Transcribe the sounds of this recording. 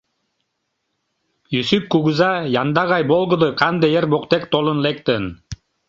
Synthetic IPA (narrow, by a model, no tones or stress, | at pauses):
jysyp̚kuɡuzɑjɑnd̪ɑʁɑjbolˠɡɯ̆d̪ɯqɑnd̪ejeɾboqt̪ek̚t̪olˠɯnlek̚t̪ɯn